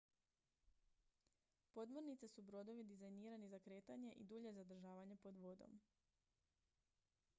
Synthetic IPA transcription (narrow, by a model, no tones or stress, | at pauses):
po̞d̪moɾnit̪sesubɾo̞d̪o̞ʋid̪izajniːɾanizakɾe̞ːt̪aɲe̞ʔid̪uːʎe̞zad̪ɾ̩ʒaːʋaɲepo̞d̪ʋod̪o̞̰m